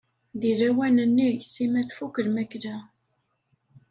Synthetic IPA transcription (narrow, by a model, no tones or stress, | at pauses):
ðiɾæwænənːijsimæθfukəɾmæklæ